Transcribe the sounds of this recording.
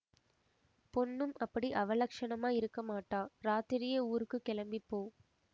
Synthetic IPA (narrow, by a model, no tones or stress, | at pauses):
pɔnːɯmʔɐpːɐɽiʔɐʋɐlɐkʂɐɳɐmaːɪɾɯkːɐmaːʈːaːɾaːt̪ɪɾɪjɐuːɾɯkːɯkɛɭɐmbipːoː